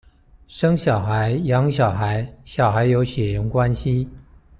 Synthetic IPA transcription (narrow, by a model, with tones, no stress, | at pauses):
ʂɤ˥ŋɕjɑ˨˩ʊxa˧˥ɪjɑ˧˥ŋɕjɑ˨˩ʊxa˧˥ɪɕjɑ˨˩ʊxa˧˥ɪjo˧˥ʊɕɥɛ˨˩jə˧˥ŋkwa˥nɕi˧˥